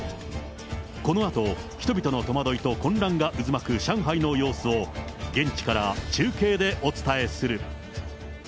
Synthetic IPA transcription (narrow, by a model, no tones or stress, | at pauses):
ko̞no̞at̪o̞çi̥t̪o̞bʲit̪o̞no̞t̪o̞mad̪o̞it̪o̞kõ̞nɾãŋɡaʔɯzɨmakɯ̟ɕãɰ̃ɦaino̞jo̞ːsɨo̞ɡẽ̞ɲ̟t͡ɕi̥kaɾat͡ɕɨːke̞ːd̪e̞ʔo̞t͡sɨ̥t̪ae̞sɨɾɯ̟